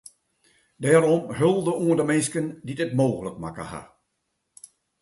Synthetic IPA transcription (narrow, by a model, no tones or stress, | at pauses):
dɛːɾɔmhølˠdəuəndəmɪnskəndidɪtmoːɣələkma̰kə̰ha̰